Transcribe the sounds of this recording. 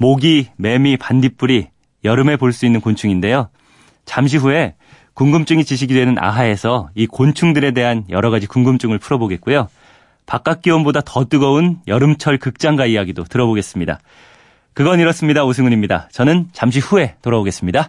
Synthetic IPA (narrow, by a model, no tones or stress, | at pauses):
moɡime̞mipandip͈uɾi | jʌɾɯme̞poɭs͈uinːɯnkont͡ɕʰuŋinde̞jo | t͡ɕamɕ̬ʰiɦue̞ | kuŋɡɯmt͡ɕ͈uŋit͡ɕiɕʰiɡidwe̞nɯnʔa̰ɦae̞sʰʌikont͡ɕʰuŋdɯɾe̞de̞ɦanjʌɾʌɣad͡ʑikuŋɡɯmt͡ɕ͈uŋɯɭpʰuɾʌboɡe̞t̚k͈ujo | pak͈ak̚k͈iwʌmbodatʌt͈ɯɡʌunjʌɾɯmt͡ɕʰʌɭkɯk̚t͡ɕ͈aŋɡaijaɡidotɯɾʌboɡe̞s͈ɯmɲida̰ | kɯɡʌniɾʌs͈ɯmɲidaosʰɯŋɡuɲimɲida̰t͡ɕʌnɯnt͡ɕamɕ̬ʰiɸue̞toɾʌboɡe̞s͈ɯmɲida